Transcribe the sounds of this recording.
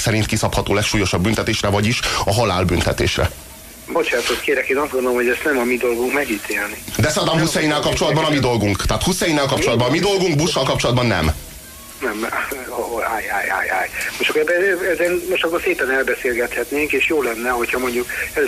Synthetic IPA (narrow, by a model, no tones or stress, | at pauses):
sɛɾint̪kisɒphɒt̪oːlɛkʃuːjo̞ʃɒbːynt̪ɛt̪eːʃrɛvɒɟiʃɒɦɒla̰ːlbynt̪ɛt̪ḛːʃrɛ̰ | bo̞t͡ʃaːt̪ot̪keːɾɛkeːnɒzd̪ɡond̪olomhoɟɛst̪nɛmɒmid̪o̞lɡuŋkmɛɡiːt̪ʰeːlnid̪ɛsɒd̪ɒmhusːɛjinːɛlkɒpt͡ʃo̞lɒd̪bɒnɒmid̪o̞lɡuŋkt̪aːt̪husːɛjinːɛlkɒpt͡ʃo̞lɒd̪bɒnɒmid̪o̞lɡuŋɡ̚buʃːɒlkɒpt͡ʃo̞lɒd̪bɒnːɛ̰m | nɛm | aja̰ja̰ja̰jmoʃt̪kobɛzɛnmoʃt̪ɒkːolseːpɛnɛlbɛseːlɡɛt̪hɛt̪neːŋkeːʃjoːlɛnːɛɦo̞cʰhɒmo̞ɲɟukɛ